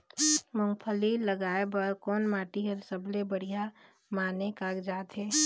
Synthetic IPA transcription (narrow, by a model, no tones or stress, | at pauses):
mʊ̃ŋɡpʰəliləɡaːebəɾkɔːnmaːʈiɦɐɾsəblebəɽ̤ija | maːnekaːɡd͡ʒaːt̪ɦɛː